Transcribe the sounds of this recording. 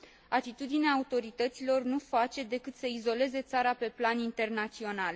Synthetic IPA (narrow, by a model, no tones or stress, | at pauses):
at̪it̪ud̪ineaːut̪o̞ɾit̪ət̪silo̞rnufat͡ʃe̞d̪e̞kɨt̪səizo̞le̞ze̞t̪saɾape̞planint̪e̞rnat̪sio̞nal